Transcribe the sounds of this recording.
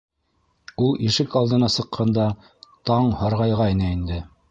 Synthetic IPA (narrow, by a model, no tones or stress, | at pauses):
ulˠiʃɘkɑlˠd̪ɤ̆nɑsɤ̆qʰːɑnd̪ɑ | t̪ɑɴhɑɾʁɑjʁɑinɤind̪ɘ